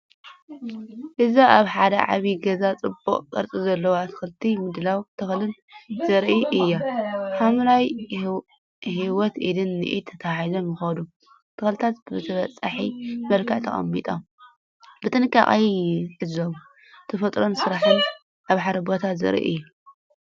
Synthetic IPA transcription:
ʔɨzaʔaβħad̪ɐ̰ʕa̰βiɡɐzat͡sʼɨboχʼkʼɨ̰ɾt͡sʼizɐlːɐwat̪ʰɨ̥xɨlɨt̪ʰimɨd̪lawt̪ʰɐxlɨl | zɐɾʔiʔɨjːaħamlaj | hiwɔt̪ʔḭd̪ɨnːɨ̰ʔḭt̪ʰːɐt̪ʰaizo̞mjɨxɐd̪u | t̪ʰɨxɐlt̪ʰat̪bɨt̪ʰɐβɐt͡sʼːaħimɐlkʰɨʕt̪ʰɐ̰χʼɐ̰mːḭt̪ʼɐ | bɨt̪ʼɨnɨkʼːa̰ʔʼajħɨzomu | t̪ʰɐfɐt̪ʼɾo̞nsɨɾaħɨn | ʔaβħaɾɐbot̪ʰat̪zɐ̰ɾḭʔḭjːu

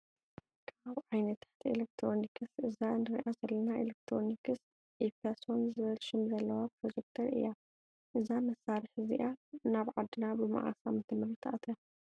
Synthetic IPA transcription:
kʰaβʕajnɐt̪ʰħt̪ʰḛlek̚t̪ʰɾo̞nikʰɨsʔɨzanɨɾḭʔazɐlːɐnaelek̚t̪ʰɾonikɨs | ipasonzɨβɐlʃɪmzɐlːɐwapɾod͡ʒek̚t̪ʰɐɾʔɨ̰jːa | ʔɨzamɐsːaɾɨħɨzḭʔanaβʕad̪ːɨnabɨma̰ʕa̰samɨt̪ʰɨmːɐɾit̪ʰʔa̰t̪ʰa

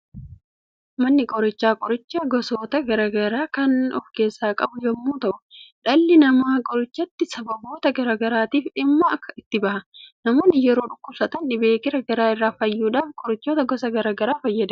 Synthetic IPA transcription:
mɐnːɪkʼɔɾɪt͡ʃːaːkʼɔɾɪt͡ʃːɐɡɔso̞ːt̪ɐɡɐɾɐɡɐɾaːkɐnɔfke̞ːsːaːkʼɐbʊd͡ʒɛmːuːt̪ɐʔʊᶑɐlːɪnɐmaːkʼɔɾɪt͡ʃːɐt̪ːɪsɐbɐbo̞ːt̪ɐɡɐɾaɡɐɾaːt̪iːfᶑɪmːɐɐkːɐ̥ɪt̪ːɪbɐhɐnɐmo̞ːnːɪjɛɾo̞ːᶑʊkːʊb̥sɐt̪ɐnᶑɪbeːkɪɾɐɡɐɾaːɪrːaːfɐjːuːᶑaːfkʼɔɾɪt͡ʃːoːt̪ɐɡɔsɐɡɐɾaːɡɐɾaːfɐjːɐd̪ɐ

